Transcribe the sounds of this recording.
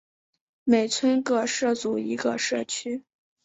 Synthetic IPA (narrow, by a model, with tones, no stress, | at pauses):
me˨˩ɪt͡sʰwə˥nkɤ˥˩ʂɤ˥˩t͡su˨˩i˧˥ɡə˧ʂɤ˥˩t͡ɕʰy˥